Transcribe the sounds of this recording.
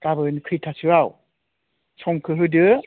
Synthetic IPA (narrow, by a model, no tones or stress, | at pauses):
kaβɯnkʰɯjtʰasɯwaw | sʰɔŋkʰɯɦɯdɯ